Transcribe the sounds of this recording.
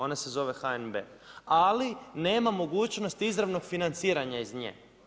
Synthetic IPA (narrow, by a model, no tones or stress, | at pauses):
o̞ne̞se̞zo̞ʋe̞xaenbḛːaline̞ːmamo̞ɡuːt͡ɕno̞st̪izɾaʋno̞ɡfinant̪siːɾaɲaizɲḛː